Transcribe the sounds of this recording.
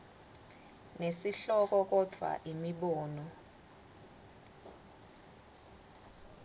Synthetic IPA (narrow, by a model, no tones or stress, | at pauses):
nesiɬɔk̬ʼɔk̬ʼɔd̥ʱwa̰ʔimiɓɔːnɔ